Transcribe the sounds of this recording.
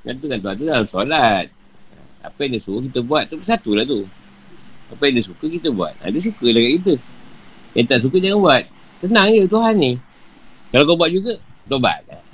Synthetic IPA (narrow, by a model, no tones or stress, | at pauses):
ŋa̰nt̪ukŋant̪uɦant̪udalamsolat̪̚ | a̰a̰pəjandəsuəkit̪əbuat̪̚ːuəsat̪ulaht̪u | apəjandəsukəkit̪əbua̰t̪̚a̰dəs̬ukəlaɡaʔkit̪̬ə | jaŋt̪aʔs̬uk̬ədəŋanbuat̪̚ | sənaŋjət̪uɦanːi | kalakobuat̪̚d͡ʒuɡət̪oba̰t̪̚a